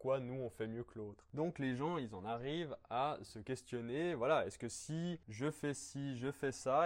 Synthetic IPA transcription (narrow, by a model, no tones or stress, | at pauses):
kwanuɔ̃fɛmjøkloːt̪χd̪ɔ̃kleʒɑ̃ilzɑ̃naʁivasəkʲɛst̪jɔnevwalaɛskəsiʒəfɛsiʒəfɛsa